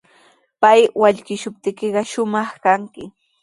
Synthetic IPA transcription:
pajwaʎkɪʃʊp̚t̪ɪkɪɢɑʃʊmɑχkaŋkɪ

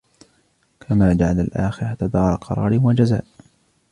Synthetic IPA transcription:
kʰamaːd͡ʒaʕalalʔaːxɪɾat̪ad̪ɑːɾˤɑqʰɑ̰ɾˤɑ̰ːɾɪwad͡ʒazaːʔ

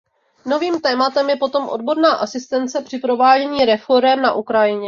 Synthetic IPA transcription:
no̞viːmt̪ɛːmat̪ɛmjɛpo̞t̪o̞mʔo̞̰dbo̞ɾnaːʔasɪst̪ɛnt͡sɛpr̝̥ɪpɾo̞vaːɟɛɲiːɾɛfo̞ɾɛmna̰ʔukɾajɪɲɛ

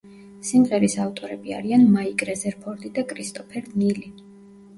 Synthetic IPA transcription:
simʁɛɾisavt̪ʼɔɾɛbia̰ɾianmaikʼɾɛzɛɾpʰɔɾd̪id̪akʼɾist̪ʼɔpʰɛɾd̪nili

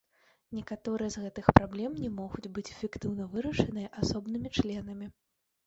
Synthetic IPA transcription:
nʲɛkat̪ɔɾɨjɐzɣɛt̪ɨxpɾablʲɛmnʲɛmɔɣud͡zʲbɨt͡sʲɛfʲɛkt̪ɨwn̪ɐvɨɾɐʂɐnɨjɐʔasɔbnɨmʲit͡ʂlʲɛnɐmʲi

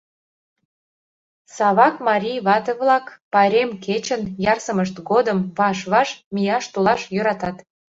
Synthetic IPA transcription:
sɑβɑkmɑɾʲijβɑt̪əβlɑkpɑɾʲemket͡ɕənjɑrsəməʃt̪ɡod̪əmβɑʃβɑʃmijɑʃt̪olɑʃjøɾɑt̪ɑt̪

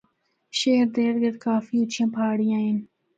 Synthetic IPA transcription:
ʃeːɾd̪eːɾɡɐd̪kaːfiut͡ʃʰĩpʰaːɽijaːin

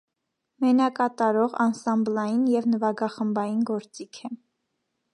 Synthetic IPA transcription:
mɛnɑkɑt̪ɑɾɔʁɑ̰nsɑmblɑjinjɛvnəvɑɡɑχəmbɑjinɡɔɾt͡sikʰɛ

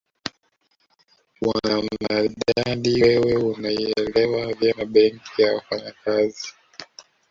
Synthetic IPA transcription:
waammaɗaɗiwɛwɛunaiɛlɛwavjamaɓɛŋkʰijawafaɲakazi

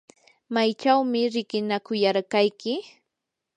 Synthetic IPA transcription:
majt͡ʃawmɪɾɪkɪnakʊjaɾɢajkɪ

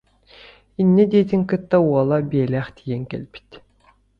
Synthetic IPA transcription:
inːɛd̪iɛt̪iŋkɯt̪ːauɔlˠabiɛlæːχt̪ʰijɛŋkɛ̰lʲbi̥t̪

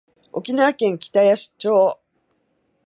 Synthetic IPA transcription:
o̞kʲinaːkẽ̞ŋkʲi̥t̪ajaɕi̥t͡ɕoː

